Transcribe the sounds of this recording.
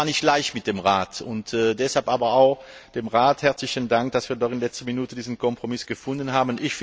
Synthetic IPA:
aɐnɪçtlaɪçtmɪt̚d̥eːmʁaːtʊntɛːdɛshalpʔaːbɐaʊx | d̥eːmʁaːthɛɐt͡slɪçəndaŋk̚d̥asv̥iːɐdɔχɪnlɛt͡stɐminuːtədiːzn̩kʰɔmpʁ̥omɪsɡ̥əfʊndənhaːbənʔɪçf

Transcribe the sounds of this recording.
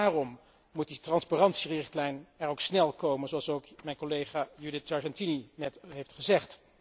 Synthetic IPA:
aːrɔmː | ut̚ditrɑnspaːrɑntsirɪχtlɛjnɛɹowksnɛlˠkowmənzoɑlˠsowkmɛjnkolejχaːjydɪtsɑɹʒɛntininɛtɦejftχəzɛχt

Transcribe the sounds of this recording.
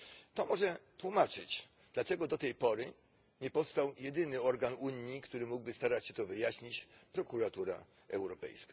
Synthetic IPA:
t̪ɔmɔʐɛt̪wumat͡ʂɘt͡ɕ | d̪lat͡ʂɛɡɔd̪ɔt̪ɛjpɔɾɘ | ɲɛpɔfst̪awjɛd̪ɘnɘɔɾɡanuɲːikt̪uɾɘmuɡ̚bɘst̪aɾat͡ɕɕɛt̪ɔvɘjaɕɲit͡ɕpɾɔkuɾat̪uɾa̰ | ɛwɾɔpɛ̰jskḁ

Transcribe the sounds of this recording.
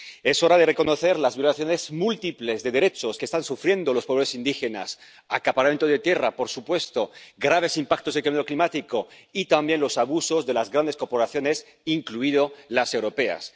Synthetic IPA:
e̞so̞ɾaðere̞ko̞noθe̞ɾlazβjolaθjonezmult̪iple̞zðeðe̞ɾe̞t͡ʃo̞skest̪ansufɾje̞nd̪olospoesind̪ixe̞na̰s | akapaɾament̪oðe̞t̪je̞rapo̞ɾsupwe̞st̪oɡɾaβ̞e̞simpak̚t̪o̞sðekemeɾo̞klimat̪iko̞it̪ambje̞nlo̞saβuso̞zðe̞lazɣɾand̪e̞sko̞ɾpo̞ɾaθjo̞ne̞s | iŋkluiðo̞lase̞wɾo̞pe̞a̰s

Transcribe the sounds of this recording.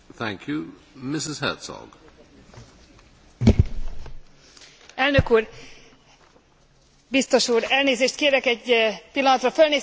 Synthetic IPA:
θæ̰̃ŋkʰju | mɪsɪz̥hɜ̰ˑtsɔ̰ɡ̥ | ɛlnøkuːr | bist̪o̞ʃuːɾɛlneːzeːʃt̪keːɾɛkɛɟpilːɒnɒt̪rɒfølneː

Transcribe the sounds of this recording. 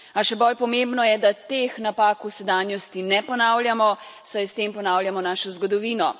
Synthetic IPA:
aʃɛbɔlpɔmẽmbnɔjɛd̪at̪exnapaːkusɛd̪aːnjɔst̪inɛpɔnawlʲjamɔsajst̪empɔnaːwljamɔnaːʃɔzɡɔd̪ɔʋiːnɔ

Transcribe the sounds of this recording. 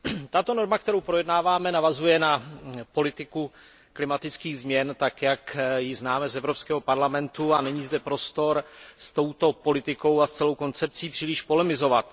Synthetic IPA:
t̪at̪o̞no̞ɾmak̚t̪ɛɾowpɾo̞jɛdnaːvaːmɛnavazujɛnapo̞lɪt̪ɪku | klɪmat̪ɪt͡skiːɣzmɲɛnt̪akjakjɪznaːmɛzɛvɾo̞pskɛːɦo̞paɾlamɛnt̪uanɛɲiːzdɛpɾo̞st̪o̞ɾst̪o̞wt̪o̞po̞lɪt̪ɪko̞wast͡sɛlo̞wko̞nt͡sɛp̚t͡siːpr̥iːlɪʃpo̞lɛmɪzo̞vat̪

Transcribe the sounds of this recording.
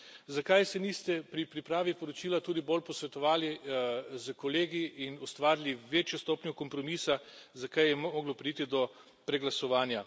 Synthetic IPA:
zakajsɛnist̪ɛpɾipɾipɾaːʋipɔɾɔt͡ʃiːlat̪uːd̪ibolpɔsʋɛt̪ɔʋaːlizəkoleːɡiːnɔst̪ʋaːɾiliʋeːt͡ʃjost̪oːpnʲjɔkɔmpɾɔmiːsazakajjɛmɔɡlɔpɾiːt̪id̪ɔ | pɾɛɡlasɔʋaːnja

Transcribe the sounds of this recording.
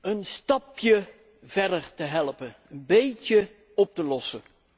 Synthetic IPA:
ənstɑpjə | v̥ɛɹdəɹtəɦɛlˠpəənbejcə | ɔp̚təlɔsə

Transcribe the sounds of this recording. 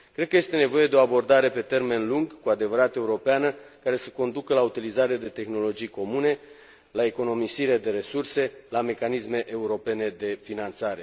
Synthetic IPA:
kɾe̞d̪̚kəje̞st̪e̞ne̞vo̞je̞d̪e̞o̞abo̞rd̪aɾe̞pe̞t̪e̞rme̞nluŋɡkuad̪e̞vəɾat̪e̞uɾo̞peanəkaɾe̞səko̞nd̪ukəlaut̪ilizaɾead̪e̞t̪e̞xno̞lo̞d͡ʒijko̞mune̞ | lae̞ko̞no̞misiɾed̪e̞ɾe̞surse̞lame̞kanisme̞ʔeuɾo̞pe̞ne̞d̪e̞finant̪saɾe̞

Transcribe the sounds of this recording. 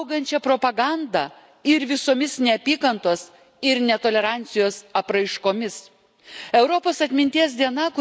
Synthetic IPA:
ʊɡɐnʲt͡ʃʲɛpɾopɐɡɑnd̪ɑ | ɪɾʋʲɪsoːmʲɪsnʲɛɐpʲiːkɐnt̪oɔs | ɪɾnʲɛt̪oːlʲɛɾɑˑnʲt̪sʲɪjoːsɐpɾɐɪʃkoːmʲɪs | ɛʊɾɔpoːsɐt̪ʲmʲɪnʲt̪ʲiɛs̬d̪ʲiɛnɐkʊ

